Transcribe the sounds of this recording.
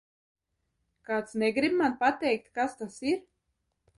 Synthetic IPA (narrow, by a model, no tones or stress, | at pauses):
kaːt̪snɛɡɾibmanpat̪ɛjk̚t̪kast̪asiɾ